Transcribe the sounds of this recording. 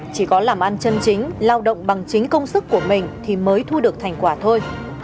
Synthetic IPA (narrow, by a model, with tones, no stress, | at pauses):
t͡ɕi˧˩kɔ˨˦laː˨˩mʔa˧nt͡ɕə˧nt͡ɕï˨˦ŋ̟laː˧wɗə̰˧˨wŋ͡mɓa˨˩ŋt͡ɕï˨˦ŋ̟kə˧wŋ͡msɨ˦˥kːu˧˩əmï˨˩ŋ̟t̪ʰi˨˩məː˨˦jt̪ʰu˧ɗɨ˨˩ək̚t̪ʰa˨˩jŋ̟kwaː˧˩t̪ʰo˧j